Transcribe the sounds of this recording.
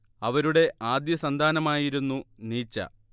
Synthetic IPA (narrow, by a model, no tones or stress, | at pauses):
ɐʋɐɾuɽe̞ʔaːd̪jɐsɐnd̪ʱaːnɐmaːjiɾunːuniːt͡ɕːɐ̰